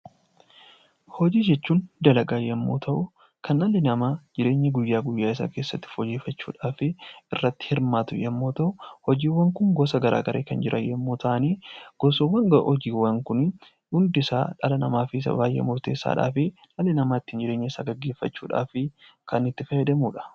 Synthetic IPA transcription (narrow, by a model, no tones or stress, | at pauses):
hɔd͡ʒiːd͡ʒɛt͡ʃːuːnd̪ɐlɐɡaːjːɐmːo̰ːt̪ʰɐʔʊ | kɐnɐlːɪnɐmaːd͡ʒɪɾe̞ːɲːɐɡʊjːaːɡʊjːaːɪsa̰ːke̞ːsːɐt̪ːɪ̥fɔd͡ʒeːfɐt͡ʃːuːᶑaːfɪɪrːɐt̪ːɪ̥hɪɾmaːt̪ʊ̰jɐmːo̞ːt̪ɐʔʊhɔd͡ʒiːwɐŋkʊŋɡɔsɐɡɐɾʔa̰ːɡɐɾʔḛːkɐnd͡ʒɪɾʔɐ̰jːɐmːoːt̪ʰɐʔɐniːɡ̥ɔsɔwːɐŋɡɐʔɔd͡ʒiːwːɐŋkʊn | ʊnd̪ɪsa̰ːᶑɐlɐnɐmaːfɪs̬ɐ̰baːjːʔḛmʊɾt̪e̞ːsːa̰ːᶑa̰ːfɪ | ɐlɪnɐmaːɪt̪ːɪɪnd͡ʒɪɾe̞ːɲːɐɪsa̰ːɡɐɡːe̞ːfːɐt͡ʃːṵːᶑa̰ːfɪkɐnɪt̪ːɪfɐjɛd̪ɐmuːᶑɐ̥